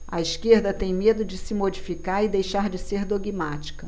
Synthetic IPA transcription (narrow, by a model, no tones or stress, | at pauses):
ɐiʃkeɾd̪ɐt̪ẽj̃med̪ʊd͡ʒɪsɪmod͡ʒifikaɾɪd̪ejʃaɾd͡ʒɪseɾd̪oɡimat͡ʃi̥kɐ